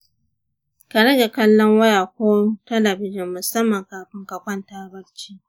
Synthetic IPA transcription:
kɐ˨ɽɐ˦da˨kɐ˦lːɔ˦ŋwɐ˦jaː˨kʷoː˦tɐ˦lɐ˨bɪ˦d͡ʒɪ˨mːʊ˨sɐ˦mːɐ˨ŋkaː˨ɸɪ˦ŋkɐ˨kʷɐ˦˨ntaː˦bɐ˦lt͡ʃiː˦

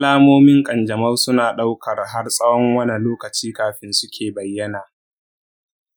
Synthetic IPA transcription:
laː˦moː˦mɪ˦ŋkʼɐ˨nd͡ʒɐ˨mɐ˦rsʊ˦naː˨ɗa˦wkʰɐ˨rɦa˦rsʼɐ˦wɔ˦ŋwɐ˦nɐ˨loː˦kɐ˨t͡ʃiː˦kaː˦ɸɪ˦nsʊ˦kʲʰeː˨bɐ˨jːɐ˦naː˨

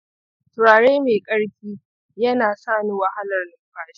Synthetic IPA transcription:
tʊ˨ɽaː˨ɽeː˦meː˨kʼɐ˦ɽɸʲiː˦ | jɐ˦naː˨saː˦˨nu˦˨wɐ˦ha˦lɐ˨rnɪ˨ɸaː˨ʃi̥˦

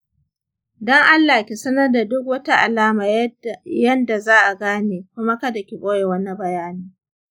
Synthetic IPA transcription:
dɔ˦ŋʔa˦lːaː˨kʲi˨sɐ˦nɐ˦rda˨dʊ˦kwɐ˦ta˦ʔa̰˨laː˦maː˨jɐ˦nda˨zaː˦ʔa˨ɡaː˦neː˨kʷʊ˦mɐ˦ka˦da˨kʲi˨ɓʼoː˦je˨wɐ˦na˦bɐ˨jaː˦niː˦

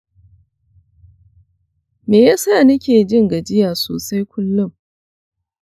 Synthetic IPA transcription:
meː˨jaː˦sa˦˨nɐ˦kʲeː˨d͡ʒɪ˦ŋɡa˨d͡ʒɪ˦jaː˨so̰ː˨sa˦jkʷʊ˦lːʊ˦ŋ

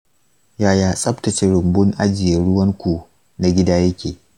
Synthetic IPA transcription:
jaː˦ja˦˨sʼɐ˦ptɐ˨t͡ʃe˦ɽʊ˨mbʊ˦ŋʔa˦d͡ʒɪ˨jɛ˨ɽʊ˦wɐ˦ŋkʷu˨ | na˨ɡʲɪ˦daː˦jɐ˦kʲeː˨

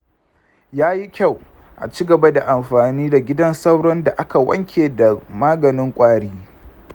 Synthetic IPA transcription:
jaː˦ji˦kʲa˦˨w | ʔa̰˨t͡ʃi˦ɡɐ˨ba˦da˨ʔa˨mɸaː˨niː˦da˨ɡʲɪ˦dɐ˦nsa˦wɽɔ˦nda˨ʔa˦ka˨wɐ̰˦ŋkʲʰeː˨da˨maː˦ɡɐ˨nɪ˦ŋkʷʼaː˦ɽiː˦

